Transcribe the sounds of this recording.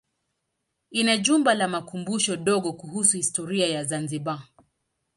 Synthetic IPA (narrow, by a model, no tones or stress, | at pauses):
inaʄumbalamakumbuʃɔɗɔɠɔkuhusuhistɔɾiajazanziɓa